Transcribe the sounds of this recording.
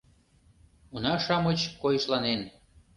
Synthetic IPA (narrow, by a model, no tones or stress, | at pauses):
unɑʃɑmət͡ɕkojəʃlɑnen